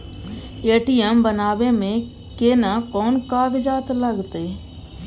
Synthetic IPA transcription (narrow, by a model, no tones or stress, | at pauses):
eːʈijɛmbənaːbemẽ | keːnakɔːnkaːɡd͡ʒaːt̪ləɡt̪eː